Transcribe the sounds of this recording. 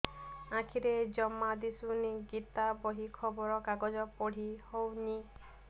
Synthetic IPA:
ãkʰiɾed͡ʒɔmːad̪isuniɡit̪abɔɦikʰɔbɔɾɔkaɡɔd͡ʒɔpɔɽ̤ihowni

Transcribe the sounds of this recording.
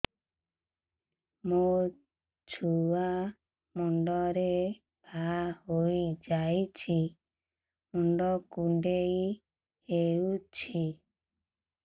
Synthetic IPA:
mo | t͡ʃʰua | mɔɳɖɔɾe | pahojd͡ʒajt͡ʃʰi | mɔɳɖɔkuɳɖej | heut͡ʃʰi

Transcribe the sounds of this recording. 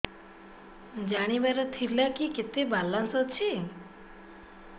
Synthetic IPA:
d͡ʒaɽ̃iʋaɾat̪ʰiɾlakiket̪ebalãnsɔt͡ʃʰe

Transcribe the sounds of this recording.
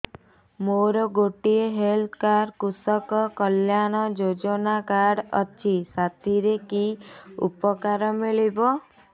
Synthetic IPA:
moɾɔɡoʈieɦelt̪ʰkaɾkusɔkɔkɔljañɔd͡ʒod͡ʒɔnakaɽɔ̰t͡ʃʰisat̪ʰiɾekiṵpɔkaɾɔmiɭibɔ

